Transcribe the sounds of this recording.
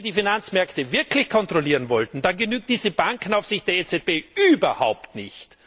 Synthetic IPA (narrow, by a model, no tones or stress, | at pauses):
diːfinant͡smɛɐktəvɪɐkʰlɪçkʰɔntʁ̥oliːʁənvɔltn̩d̥anɡənyːk̚t̚d̥iːzəbaŋkn̩aʊfz̥ɪçt̚d̥eːɐeːt͡sɛt̚b̥eːyːbɐhaʊptnɪçt